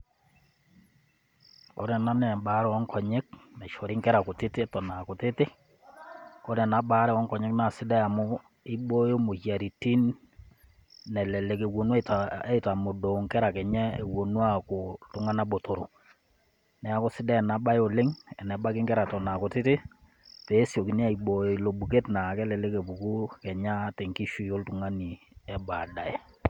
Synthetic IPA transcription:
ko˦ɾɛ˨na˦nɛ˨ba˨˦ɾɛ˦ɔ˦ŋkɔ˨ɲe˦k̚nɛ˨ʃo˨ɾi˦ŋkɛ˦ɾa˨kʊ˨tɪ˦tɪ˦tɔ˨na˨ko˨tɪ˦tɪ˦ | ko˦ɾɛ˨na˦ɓa˦ɾɛ˦wɔ˦ŋkɔ˨ɲɛ˦kna˨sɪ˦dɛ˦a˨mʊ˦ | ɪ˦bo˦jo˦mo˨ʃja˨ɾi˨ti˦n | ɛ˨lɛ˨le˨ke˨wo˨nwa˦tae˦ta˨mo˨do˨ŋkɛ˦ɾa˨kɛ˨ɲɛ˦e˨wo˨nwa˦kʊ˨ltʊ˦ŋa˦na˦bo˨to˨ɾo˨ | nɛ˨a˦ko˦sɪ˦dɛ˦˨na˨ba˦jo˨lɪ˦ŋɛ˨nɛ˨ba˦kɪ˦ŋkɛ˦ɾa˨tɔ˨na˨ko˨tɪ˦tɪ˦ | pe˨˦sjo˨ki˨n˦a˦i˨ɓo˨jo˨i˨lo˨bu˨ke˦tna˨kɛ˦lɛ˨le˦ke˨pu˨ku˦kɛ˨ɲa˦tɛ˨ŋki˦ʃu˦˨jo˦ltu˨ŋa˦ni˨ | ɛ˨ba˨da˨ɛ˨

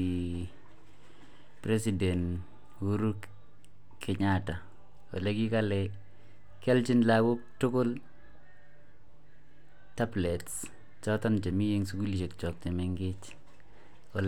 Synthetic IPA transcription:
i | pɾɛ˦s̬idɛ˨n | wu˦ɾu˦kːʰ | ɪ˨ɲata˨ | o̰˨le˦ki˦kalɛ | kɛ˦lt͡ʃɪ˦nlawʊ˦k̚tʊ˦kʊ˦l | ta˦blɛ˨ts | t͡ʃɔ˦tɔ˦nt͡ʃe˨mi˦je˦ŋsu˦ku˦lʃe˨kt͡ʃɔ˨k̚t͡ʃe˨mɪ˨ŋɡɪ˦t͡ʃ | ɔ˨l

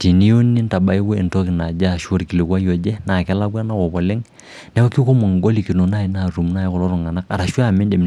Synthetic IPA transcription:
ti˨ni˦jo˦nːi˦nta˨ba˦i˦wo˦i˨ntɔ˦ki˨na˨d͡ʒa˦˨ʃo˦ɾki˨lɪ˨kwa˦jɔ˨d͡ʒɛ˦na˨kɛ˦la˦ɡwa˦na˦kɔ˨bɔ˨lɪ˦ŋ | nɛ˦wa˦ki˦ko˦mɔ˨ŋɡo˦li˨ki˨no˨na˦˨i˨na˨ɾu˨mna˦˨ji˦kɔ˨lɔ˦ɾɔ˨ŋa˨na˦ka˨ɾa˨ʃu˦a˦˨mɛ˦de˨m

